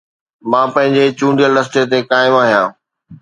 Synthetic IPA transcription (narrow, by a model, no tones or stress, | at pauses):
mãːpɐ̃ɦɪ̃ɲd͡ʑet͡ɕũːɳɖijəlɾɐst̪et̪̬ekaːɪmaːɦijãː